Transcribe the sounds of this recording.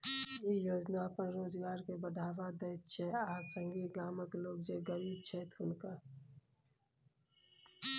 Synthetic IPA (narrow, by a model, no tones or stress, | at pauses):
jijoːd͡ʒnapəɾːoːd͡ʒɡaːɾkebəɖʱaːʋad̪eːt͡ʃʰɛaːsəŋɡiɡaːməkloːɡd͡ʒeɡəɾiːb̚t͡ʃʰeːt̪ʊnka